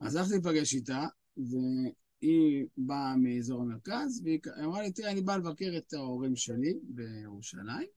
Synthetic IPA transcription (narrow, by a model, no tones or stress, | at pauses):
a̰zalaχtip̬aɡeʃita | ve | ibamiezo̞ʁame̞ʁkazveikaamʁalit̪ianibalevakeʁet̪aoʁimʃe̞libe̞jeʁuʃa̰laim